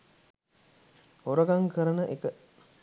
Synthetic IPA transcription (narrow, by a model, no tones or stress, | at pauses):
oɾəɡaŋkəɾənəʔekə